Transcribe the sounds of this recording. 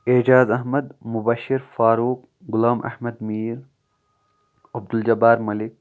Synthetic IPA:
ed͡ʒaːzɐɦmɐd̪mʊbaʃːiɾfaːɾuːk̚ | ɡʊlaːmʔɐ̰hmɐd̪miːɾ | ɐb̚d̪uld͡ʒɐbaːɾmɐlɪk̚

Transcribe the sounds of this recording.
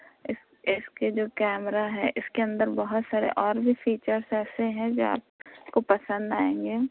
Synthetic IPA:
ɪs | ɪsked͡ʒoːkɛːmɾaɦɛʔɪskeɐ̃nd̪əɾbɐɦʊt̪saːɾḛʔɔːɾbʱifiːt͡ʃəɾsɛːseɦɛ̃d͡ʒoːa̰ːp̚kopɐsə̃nd̪aːẽːŋɡeː

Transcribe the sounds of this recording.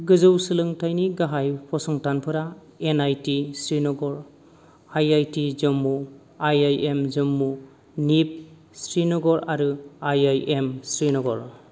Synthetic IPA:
ɡɯzɯwsɯlɯŋtʰajniɡaɦajpʰɔsɔŋtanpʰɯɾa | enajtisɾinɔɡɔɾ | ajajtizɯmːu | ajajemzɯmːu | nip̚ | sɾinɔɡɔɾaɾɯajajʔemsɾinɔɡɔɾ

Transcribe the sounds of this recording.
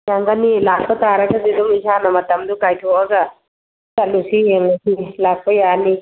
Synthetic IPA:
jaŋɡanilak̚pɐtaɾɐɡɐziduŋizanɐmɐtɐmdukajtʰoʔɐɡɐ | sɐlusijeŋɐsilak̚pɐjani

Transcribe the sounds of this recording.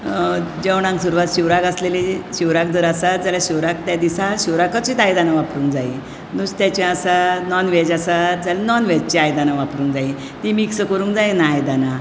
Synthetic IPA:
d͡ʑewɽ̃ãŋksuɾuʋat̪ɕiwɾakəsleliɕiwɾak̚d̪əɾasad͡zalaɕiwɾak̚t̪jad̪isaɕiwɾakət͡ɕiːt̪ajd̪anaʋapɾuːŋkd͡zai | nust̪jat͡ɕĩasanɔnʋɛd͡ʑasad͡zalinɔnʋɛd͡ʑt͡ɕiajd̪anaʋapɾũːŋkd͡zai | t̪imiksəkəɾũːŋkd͡zajnajd̪ana

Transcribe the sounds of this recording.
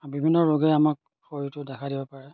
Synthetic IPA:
bibʱinːɔɹoɡɛamak̚ | pʰoɹitʊdɛkʰadibɔpaɹɛ

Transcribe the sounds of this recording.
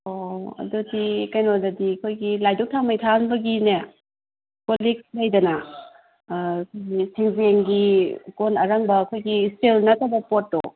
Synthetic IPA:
oɐ̰dudikajnodɐdiɐkʰojɡilajdok̚tʰamajtʰanbɐɡine | kolik̚lɐjdɐnɐ | kʰojɡisiŋzeŋɡikonɐɾaŋbɐːkʰojɡistelnɐtʰabɐpotːo

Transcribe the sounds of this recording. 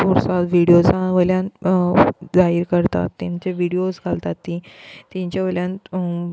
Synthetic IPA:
oɾsat̪ʋiɽijod͡zaʋəljãn | d͡zaɦiɾkəɾt̪a̰t̪ːãɲt͡ɕeʋiɽiosɡʱalt̪at̪ːĩt̪ãɲt͡ɕaʋəljãn

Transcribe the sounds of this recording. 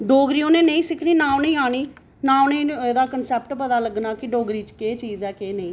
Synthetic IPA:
ɖoːɡɾiːõːnẽːnəĩːsɪkʰniːnãːonəĩːaːɽ̃iː | nãːonẽːeːd̪aːkənsɛːp̚ʈpət̪aːləɡnaːkɪɖoːɡɾiːt͡ʃkeːt͡ʃiːzɛːkeːnəĩː

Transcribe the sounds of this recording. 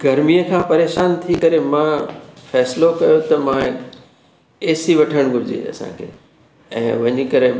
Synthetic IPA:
ɡʱɐɾmijəkʰãːpɐɾeːʃaːnt̪ʰikɐɾemãfɛːslokɐjot̪ɐmãk | eːsiʋɐʈʰəɽ̃ɡʱʊɾɪd͡ʑḛɐ̰sã̰kʰḛː | ɛ̰̃ːʋɐɲikɐɾe

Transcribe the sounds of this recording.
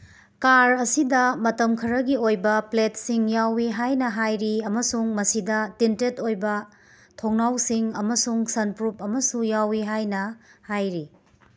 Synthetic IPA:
kaɾɐsidɐmɐtɐmkʰɐɾɐɡiojbɐpletsiŋjawiɦajnɐɦajɾiɐmɐsuŋmɐsidɐtintetojbɐ | tʰoŋnawsiŋɐmɐsuŋsɐnpɾup̚ɐmɐsujawiɦajnɐhajɾi

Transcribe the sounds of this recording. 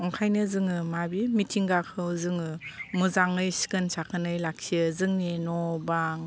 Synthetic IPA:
ɔŋkʰajnɯzɯŋɯmabimitʰiŋɡakʰɯwzɯŋɯmuzaŋɯjsi̥kɯnsakʰɯnɯjlak̚siɯzɯŋnenɔbaŋ

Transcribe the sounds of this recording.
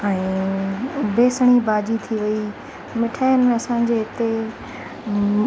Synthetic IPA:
ɛ̃ː | beːsəɽ̃ibaːd͡ʑit̪ʰiʋɐi | mɪʈʰaːɪnɐsãːɲd͡ʑeːɪt̪e

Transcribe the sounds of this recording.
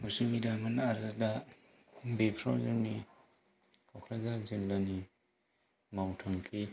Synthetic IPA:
musumidamanaɾada | bepʰɾa̰wzaɾni | kʰɔkʰɾazaɾziŋlani | mawtʰaŋkʰi

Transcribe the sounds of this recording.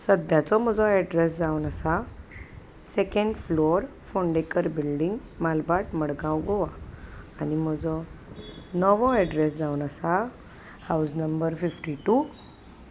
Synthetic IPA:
səd̪jãt͡sɔməd͡zɔɛɖɾes̬d͡zaunəsa | sekẽɳɖfloɾ | foɳɖekəɾbilɖiŋɡ | malbaʈməɽɡãwɡoʋaː | nim̤əd͡zɔ | nəʋɔɛɖɾes̬d͡zaunəsa | hawsnəmbəɾfifʈiʈu

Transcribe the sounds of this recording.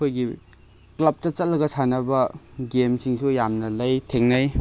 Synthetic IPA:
ojɡi | klɐp̚tɐt͡ʃɐt̚lɐɡɐsanɐbɐɡemsiŋsujamnɐlɐjtʰeŋnɐj

